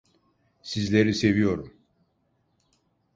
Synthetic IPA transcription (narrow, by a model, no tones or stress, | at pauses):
sizlʲe̞ɾise̞vijo̞ɾum